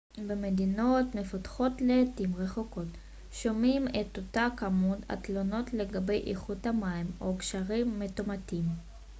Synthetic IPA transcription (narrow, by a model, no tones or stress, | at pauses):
bemedino̞tme̞fatχo̞tleːtimʁe̞χoko̞t | ʃo̞mimet̪otakamuda̰t̪lono̞tle̞ɡabe̞jʔiχuthamaimo̞kʃaʁimːetomatim